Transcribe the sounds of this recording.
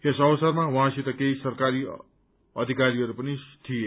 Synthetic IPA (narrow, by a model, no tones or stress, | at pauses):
esʌwʌsʌrmawɦãsʰit̪ʌkeisʌrkaɾi | ʌd̪ʱikaɾiʌɾupʌnit̪ʰije